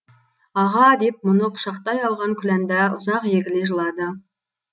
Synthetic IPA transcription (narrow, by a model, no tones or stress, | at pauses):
ɑʁɑd̪e̞p̚mʊnəqʰʊ̥ʃɑqt̪ɑjɑlˠʁɑŋkʲʰʏlænd̪æʊzɑqjeɡʲɪleʒəlˠɑd̪ə